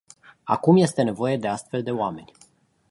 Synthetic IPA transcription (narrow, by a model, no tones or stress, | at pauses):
a̰kumje̞st̪e̞ne̞vo̞je̞d̪e̞ast̪fe̞ld̪e̞oame̞nʲ